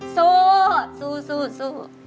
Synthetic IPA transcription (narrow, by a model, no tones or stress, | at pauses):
sosususu